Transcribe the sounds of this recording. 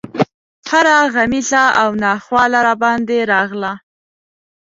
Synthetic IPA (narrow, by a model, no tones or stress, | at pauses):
haɾaɣamiɬaawnɑxwɑlaɾabɑnd̪eɾɑɣla